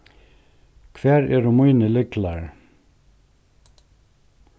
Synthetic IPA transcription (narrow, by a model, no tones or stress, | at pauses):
kʰvɛːɾɛɾʊmujnɪlɪklaɾ